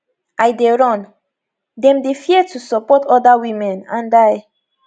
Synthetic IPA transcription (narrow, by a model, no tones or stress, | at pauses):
ʔajdeɹɔ̃n | dɛ̃mdefjɛtusɔpɔtɔdawimɛ̃nãndaj